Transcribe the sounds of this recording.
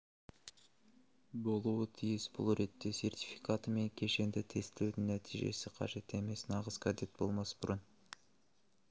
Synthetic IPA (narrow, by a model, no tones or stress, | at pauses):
bo̞lˠuːt̪ʰijɪsbṵlˠɾe̞t̪ːe̞sʲe̞rt̪ʲi̥fʲikat̪mekʲʰe̞ʃe̞nd̪et̪ʰe̞st̪ed̪ynːæt̪ʰijʒe̞̰siqʰɑ̰ʒe̞t̪e̞me̞snɑʁəzkad̪it̪̚bo̞̰lˠmɑsbuɾun